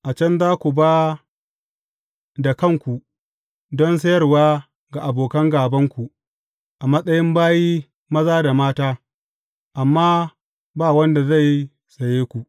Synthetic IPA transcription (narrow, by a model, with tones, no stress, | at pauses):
ʔa˨t͡ʃɐ˦nzaː˦kʷu˨baː˦ | da˨kɐ˦˨ŋkʷu˨ | dɔ˦ns̬ɐ˦jɐ˦rwaː˦ | ɡa˨ʔa˨boː˨kɐ˦ŋɡaː˨bɐ˦ŋkʷu˨ | ʔa˨mɐ˦sʼɐ˦jɪ˦mbaː˦jiː˦ | mɐ˦zaː˦da˨maː˦taː˦ | ʔa˨mːaː˦ | baː˦˨wɐ˦nda˨za˦˨j | sɐ˨jeː˦kʷu˨ʔ